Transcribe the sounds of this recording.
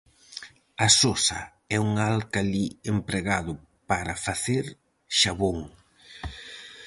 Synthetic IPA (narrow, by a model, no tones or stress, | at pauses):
asosa̰ | ɛuŋalkaliempɾeɣaðʊ | paɾɐfaθeɾ | ʃaβoŋ